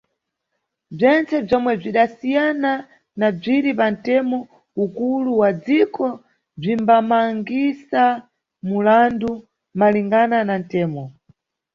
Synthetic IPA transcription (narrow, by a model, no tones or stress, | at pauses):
b͡ʐɛnt͡sɛb͡ʐɔmwɛb͡ʐiɗasijana | nab͡ʐiɾipantɛmɔ | ukuluwad͡zikɔ | b͡ʐimbamaŋɡisa | mulandu | maliŋɡananantɛːmɔ